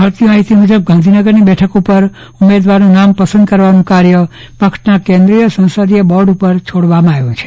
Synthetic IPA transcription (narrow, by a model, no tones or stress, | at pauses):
məɾt̪imaɦit̪imud͡ʒəb̚ɡʱãnd̪ʱinəɡəɾnibɛʈʰəkupəɾ | umed̪ʋaɾnũnampəsənd̪kəɾʋanũkaɾjə | pəkʂnakẽnd̪ɾijəsə̃w̃sod̪iebɔɾɖupəɾt͡ʃʰoɽʋamãaʋjũt͡ʃʰe̥